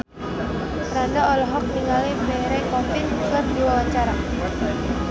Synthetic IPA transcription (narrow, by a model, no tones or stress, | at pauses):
ɾandaɔlɔɦɔk̚niŋalimmeɾɛkɔfɪnkərdiwawaɲt͡ʃaɾa